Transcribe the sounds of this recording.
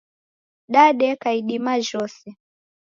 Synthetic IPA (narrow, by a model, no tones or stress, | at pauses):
ɗaɗɛkaiɗimaʒɔsɛ